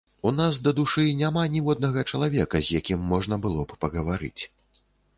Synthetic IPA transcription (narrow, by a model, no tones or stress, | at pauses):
unasd̪ɐd̪uʂɨnʲamanʲiwɔd̪̚nɐɣɐt͡ʂɐlˠavʲɛkɐzʲjakʲimːɔʐnɐbɨlˠɔppɐɣɐvaɾɨ̰t͡sʲ